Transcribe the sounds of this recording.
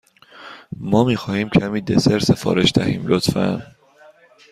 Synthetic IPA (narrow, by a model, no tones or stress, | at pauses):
mɒːmiːxɒːhiːmcʰæmiːd̪eseɾse̞fɒ̰ːɾe̞ʃd̪æhḭːmlot̪fæ̰n